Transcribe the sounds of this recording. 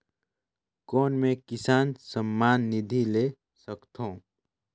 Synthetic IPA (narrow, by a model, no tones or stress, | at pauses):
kɔːnmẽkɪsaːnsəmːaːnːɪd̪ʱileː | səkt̪ʰõː